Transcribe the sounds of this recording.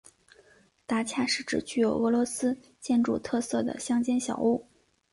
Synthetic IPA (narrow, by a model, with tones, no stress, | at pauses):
t̪a˥˩t͡ɕʰja˥˧ʂɻ̩˥˩ʈ͡ʂɻ̩˨˩t͡ɕy˥˩jo˨˩ʊə˧˥lwɔ˧˥sɹ̩˥ | t͡ɕjɛ˥˧nʈ͡ʂu˥˧t̪ʰɤ˥˧sɤ˥˩d̪ə̰˩ɕjɑ˥ŋt͡ɕjɛ˥nɕjɑ̰˨˩ʊu˥˩